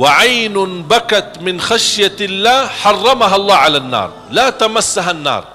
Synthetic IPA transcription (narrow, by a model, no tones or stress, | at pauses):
wɪʕajnbakat̪mɪnxaʃjalːaːħɑrˤːɑmaɦaʔlˤːɑːʕalanːɑ̰ːɾˤ | lat̪amasːaɦanːɑ̰ːɾˤ